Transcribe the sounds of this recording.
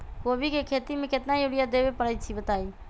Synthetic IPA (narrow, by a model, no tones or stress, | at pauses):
koːbʱikekʰet̪imẽket̪najuɽijad̪ebepəɽəjt̪̚t͡ʃʰibət̪ai